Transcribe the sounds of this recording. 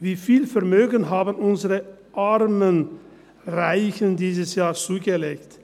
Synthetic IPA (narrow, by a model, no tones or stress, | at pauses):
viːfiːlfɛɐmøːɡənɦaːbənʔʊnzəʁə | ʔaʁmən | ʁaɪçəndiːzəsjaːt͡suːɡəleːkt